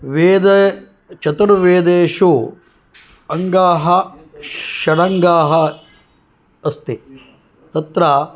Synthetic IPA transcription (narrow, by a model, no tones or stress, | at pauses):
ʋeːd̪ɐ | t͡ʃɐt̪ɐɾɐʋeːd̪eːʃu | ɐŋɡaːɦɐ | ʃɐɽɐŋɡaːɦɐ | ɐst̪i | t̪ɐt̪ɾɐ